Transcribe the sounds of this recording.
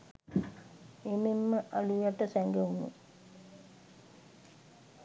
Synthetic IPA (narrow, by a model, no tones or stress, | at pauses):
ememːəʔalujaʈəsæŋɡeunṵ